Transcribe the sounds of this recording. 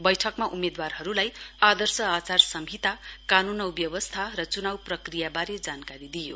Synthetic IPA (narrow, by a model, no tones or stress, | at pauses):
bʌjʈʰʌkmaʔumed̪warɦʌɾulajad̪ʌrsʌat͡sarsʌmʱit̪akanunʌwbjʌwʌst̪ʰarʌt͡sunawprʌkrijabaɾed͡zankaɾid̪ijo